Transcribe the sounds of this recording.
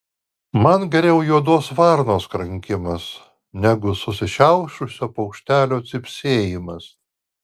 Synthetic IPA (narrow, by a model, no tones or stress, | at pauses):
mɐnɡʲɛɾʲɛʊjoɔd̪oːsʋɑɾnoːskɾɐŋʲkʲɪmɐs | nʲæɡʊsʊsʲɪʃʲɛʊʃʊsʲoːpɐʊkʃʲt̪ʲæːlʲoːt̪sʲɪpʲsʲeːjɪmɐs